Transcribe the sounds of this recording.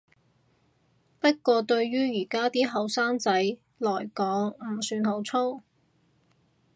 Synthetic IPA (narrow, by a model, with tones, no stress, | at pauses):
pɐ˥t̚kʷɔː˧t̪ɵ˧ɥɥyː˥jiː˨˩kaː˥t̪iː˥ɦɐ˨˧wsaː˥ŋt͡sɐ˨˥j | lɔː˨˩jkɔː˨˥ŋm̩˨˩syː˨˧nɦo˨˥wt͡sʰo˥w